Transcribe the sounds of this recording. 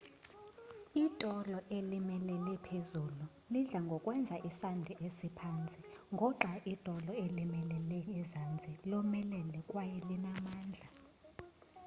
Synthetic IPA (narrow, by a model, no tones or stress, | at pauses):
itʼɔlɔʔelimɛlɛlɛpʰezulu | liɮaŋɡʱɔkʼwɛnd͡zʱaʔisandʱiʔesipʰant͡sʼiŋɡʱɔǁaʔitʼɔlɔelimɛlɛlɛŋɛzand͡zʱilɔmɛlɛlɛkʼwajɛlinamaːnd͡ɮʱa